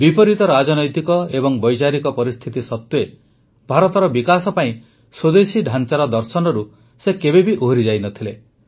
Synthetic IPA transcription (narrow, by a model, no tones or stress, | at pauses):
bipɔɾit̪ɔɾad͡ʒɔnɔjt̪ikɔebɔŋbɔjt͡ʃaɾikɔpɔɾist̪ʰit̪isɔt̪ːue | bʱaɾɔt̪ɔɾɔbikasɔpaĩ | sod̪esiɖʱant͡ʃaɾɔd̪ɔɾsɔnɔɾu | sekebebiʔoɦɾid͡ʒajnɔt̪ʰile